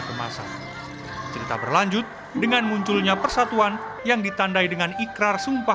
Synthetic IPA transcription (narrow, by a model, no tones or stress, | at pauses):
kəma̰sa̰ | t͡ʃəɾit̪a̰bərlaɲd͡ʒʊt̪̚ | dəŋanmuɲt͡ʃʊlɲapərsat̪uan | jaŋdit̪andaidəŋanikɾarsumpa